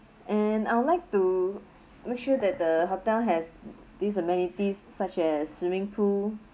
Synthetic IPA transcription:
ʔɛ̃naɪwudlaɪk̚tu | mek̚ʃuədɛt̚dəɦotɛlɦɛs | dis̬əmɛ̃nitisːat͡ʃɛsːwĩmɪ̃ŋpʰul

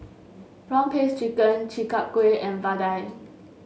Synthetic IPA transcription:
ɹɔ̃ŋpʰest͡ʃikə̃nt͡ʃikap̚kweʔɛ̃nvadaj

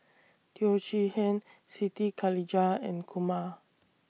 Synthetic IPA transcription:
t̪ʰiot͡ʃihɛ̃n | sit̪ikʰalid͡ʒaɛ̰̃nkʰuma

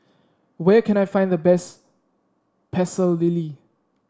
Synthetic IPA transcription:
wɛkʰɛ̃najfãj̃nd̪əbɛs | pʰɛsəlːili

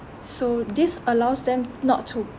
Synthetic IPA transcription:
sodisəlaʊsdɛ̃mnɔ̰tʰːu

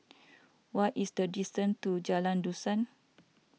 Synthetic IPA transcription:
waisdədistə̃ntud͡ʒalãndusãn

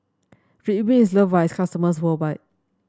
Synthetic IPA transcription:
ɹibĩns̬ləvajskʰastəməs̬wəbaj̚

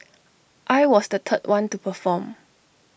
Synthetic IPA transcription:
ʔajwɔsdətʰət̚wʔãntupəfɔ̃m

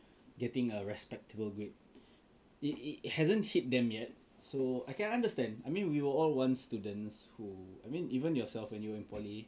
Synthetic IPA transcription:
ɡɛtɪ̃ŋəɹɛspɛk̚təbəlɡɹit̚ | iihɛzə̃nhit̚dɛ̃mjɛt̚ | soajkɛ̃nãndəstɛ̃ndaɪmĩnwiwəɔlwãnstudə̃nshuajmĩnivə̃njɔsɛlfwɛ̃njuĩnpʰɔli

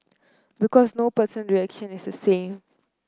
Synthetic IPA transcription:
bikɔsnopəsə̃nɹiɛkʃə̃nisdəsẽːm

